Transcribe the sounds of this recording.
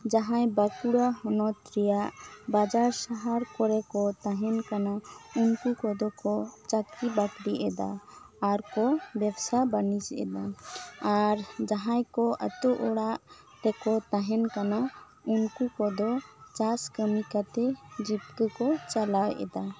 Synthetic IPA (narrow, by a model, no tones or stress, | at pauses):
d͡ʒaɦãjbakuɽaɦɔnɔt̪ɾijaʔbad͡ʒaɾsaɦaɾkɔɾɛkɔt̪aɦɛnkanaunkukɔd̪ɔkɔt͡ʃat̪kibakɾiʔɛd̪a̰ː | ɾkɔbɛbsabanisɛ̰d̪aaɾd͡ʒaɦãjkɔʔə̰t̪uʔɔɽaʔ | t̪ɛkɔt̪aɦɛnkana | unkukɔd̪ɔt͡ʃaskəmikat̪ɛd͡ʒipkəkɔt͡ʃalajɛ̰d̪a